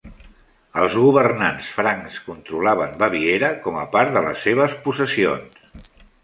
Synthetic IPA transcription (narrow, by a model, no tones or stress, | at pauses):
əlˠzɣuβərnansfɾaŋskunt̪ɾulaβənbəβieɾəkɔməpaɾðələ̰sːeβ̞əspusəsio̰ns